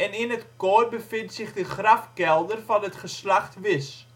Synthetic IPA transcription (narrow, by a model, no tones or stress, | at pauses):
ɛninətkɔːrbəfɪntsɪχdəχrɐfkɛlˠdərfɐnətχəslɐχtvɪs